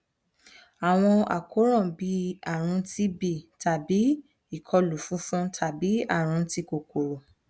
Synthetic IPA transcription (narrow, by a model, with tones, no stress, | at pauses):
a˨w̃ɔ̃˧a̰˨ko˨˦ɾ̃ɔ̃˦˨bi˧˦a˨ɾ̃ũ˧˦ti˦bi˦˨ta˨bi˨˦ | i˨kʰɔ˧lu˨fũ˦fũ˦tʰa˨bi˨˦a̰˦˨ɾ̃ũ˧˦ti˧ko˨ko˨ɾo˨